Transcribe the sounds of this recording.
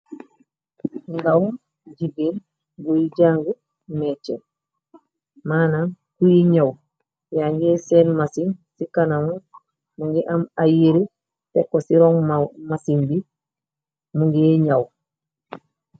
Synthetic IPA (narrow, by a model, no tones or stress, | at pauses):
ŋɡaw | ɟibiːn | ɡujiɟaːŋɡu | met͡ʃḛn | maːnaŋ | kujiɲaw | jaɲɡeseːnmasiŋsikanamu | muŋɡiʔamajeɾi | tekːosiɾoŋmmasiŋbi | muŋɡieɲaw